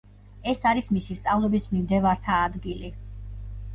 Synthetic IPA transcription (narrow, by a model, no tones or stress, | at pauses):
ɛsaɾismisist̪sʼavlˠɔbismimd̪ɛvaɾt̪ʰaːd̪ɡili